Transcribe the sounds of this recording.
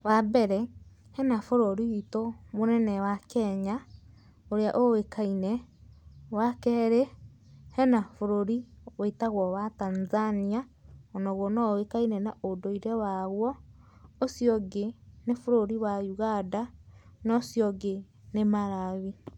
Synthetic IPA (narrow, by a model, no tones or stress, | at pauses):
wabɛɾɛhɛnafoɾoɾiwitomonɛnɛwakɛɲa | oɾeaʔowekainɛ | wakɛːɾe | hɛnafoɾoɾiweitaɣwɔwatanzaniaɔnɔɣɔnɔwekainɛnaodoiɾɛwaɣwɔosjɔɡenefoɾoɾiwajuɣadanɔsjɔɡe | nemaɾaβi